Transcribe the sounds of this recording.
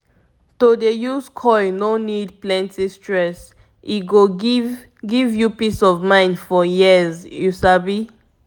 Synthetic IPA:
todejuskʰɔjnonid̚plɛ̃ntistɹɛs | ʔiɡov | ɡivjupisɔvmãɪ̃ndfɔjizjusabi

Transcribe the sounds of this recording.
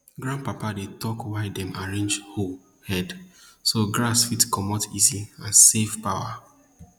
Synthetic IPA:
ɡɹãn̚papadetɔkwaɪdɛ̃maɹẽnd͡ʒhol | hɛdsoɡɹasfitkɔmɔtʰiziãnsefpaʊa

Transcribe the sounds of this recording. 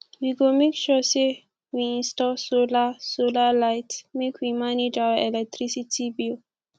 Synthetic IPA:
wiɡomekʃɔse | wiĩnstɔsolasolalaɪtmekʰwimaned͡ʒawaɛlɛk̚tʰɹisitʰibil

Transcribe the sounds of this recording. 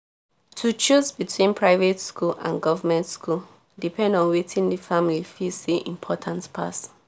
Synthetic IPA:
tʰut͡ʃusbitʰwĩnpʰɹaɪvetskʰulã̰nɡɔvamɛ̃ntskʰul | dipʰɛ̃ndɔ̃nwetʰĩndifãmlifisiʔḭ̃mpʰɔtʰãntpʰa̰t

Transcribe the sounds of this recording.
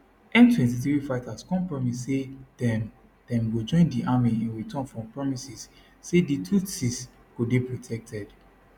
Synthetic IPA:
ʔɛ̃ntwɛ̃ntiθɹifaɪtaskɔ̃npɹɔmisːed̥ɛ̃n | d̥ɛ̃nwid͡ʒɔ̃ɪ̃ndiʔamiɛ̃nwitʰɔ̃nfɹɔ̃mpɹɔmisisː | editʰusis | kubipɹotʰɛk̚tʰɛd̥

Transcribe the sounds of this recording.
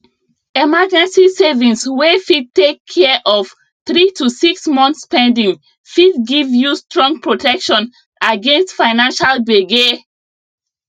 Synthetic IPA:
emad͡ʒɛ̃nsisevĩnswefid̚tekʰːɛʔɔf | θɹitusiksmɔ̃nθspɛ̃ndĩŋ | fid̚ɡivjustɹɔ̃ŋɡ̚pʰɹotʰɛkʃɔ̃n | aɡẽnstfaɪnãnʃalbeɡe

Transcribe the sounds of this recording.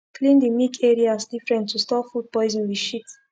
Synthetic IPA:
kʰlĩndimikʰɛɹiasdifɹɛ̃ntʰːustɔfud̚pɔɪzĩnwiʃit

